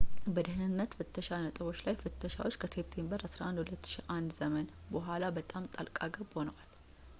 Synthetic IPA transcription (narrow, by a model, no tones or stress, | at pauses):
bəd̪ɨhnɨnːət̪fɨt̪ʰːəʃanət̪ʼəβo̞t͡ʃːlajfɨt̪ʰːəʃa̰wot͡ʃːkʰəse̞p̚t̪ʰe̞mbəɾasɾaʔand̪hulət̪ːɨ̥ʃiʔand̪zəmən | bəɦʷalabət̪ʼamt̪ʼalkʼaɡəbho̞nəwal